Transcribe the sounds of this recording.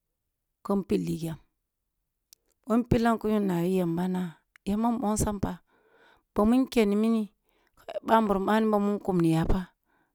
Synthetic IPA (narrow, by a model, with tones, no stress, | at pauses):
ko˦mpi˦lːi˨ɡa˨m | o˦npi˦la˦ŋku˦ɲu˦nːa˨wi˦ja˨mba˦na˦ | je˦ma˦mo˦n˦sa˦mpa˨ | b̥o˨mu˦ke˨ni˨mi˦ni˦ | kʰo˦˨ba˦mbu˨ɾma˦ni˦bo˨mu˦nku˨mni˨ja˨pa˦